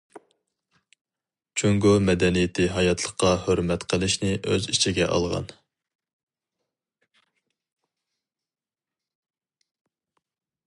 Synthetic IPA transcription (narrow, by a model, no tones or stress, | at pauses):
t͡ʃʰyŋɡomɛd̪ɛnijɪt̪ʰɪɦɑjɑt̪ʰlˠəχqːɑhøɾmɛt̪qʰəlˠɪʃnɪʔø̰zit͡ʃʰiɡʲɛ̰ʔɑ̰lˠʁɑ̰n